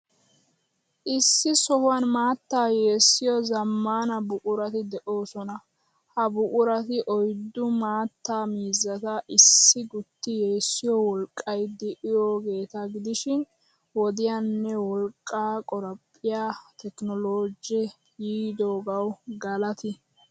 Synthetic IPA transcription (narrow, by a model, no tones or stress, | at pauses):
ʔɪsːɪsɔhʊwɐnmaːt̪ːaːjeːsːɪjɔzɐmːaːnɐbʊkʼʊɾɐt̪ɪd̪ɛʔo̞ːsɔnɐ | hɐbʊkʼʊɾɐt̪ɪʔɔjd̪ːʊmaːt̪ːaːmiːzɐt̪ɐʔɪsːɪɡʊt̪ːɪje̞ːsːɪjɔwɔlkʼːɐjd̪ɪʔɪjoːɡe̞ːt̪ɐɡɪd̪ɪʃɪn | wɔd̪ɪjanːɛwɔlkʼːaːkʼɔɾɐpʼːɪjaːt̪ɛknɔloːd͡ʒɛ | jiːd̪oːɡɐwɡɐlɐt̪ɪ